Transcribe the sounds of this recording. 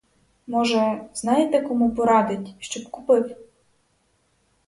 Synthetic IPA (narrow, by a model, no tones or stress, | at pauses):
mɔʒɛznɑjt̪ɛkɔmupɔɾɑd̪ɪtʲʃt͡ʃɔbkʊpɪw